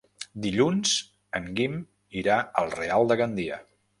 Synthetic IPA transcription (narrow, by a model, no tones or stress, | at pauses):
d̪iʎunz̥ | əŋɡim | iɾaəlˠrealˠd̪əɣənd̪iə